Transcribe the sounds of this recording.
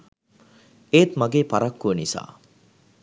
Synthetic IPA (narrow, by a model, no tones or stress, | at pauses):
eːt̪maɡeːpaɾakːuənisa̰ː